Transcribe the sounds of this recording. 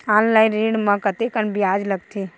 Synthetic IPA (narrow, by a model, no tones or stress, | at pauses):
ãnlajɾiɽmə̃kət̪ekənbijad͡ʒləɡ̚t̪ʰi